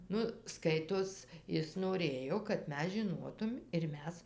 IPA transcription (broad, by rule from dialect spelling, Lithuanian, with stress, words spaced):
ˈnʊ ˈskɐɪtoːs ˈɪs noːˈrʲeːjoː kɐt ˈmʲɛs ʒʲɪˈnoːtʊm ɪr ˈmʲɛs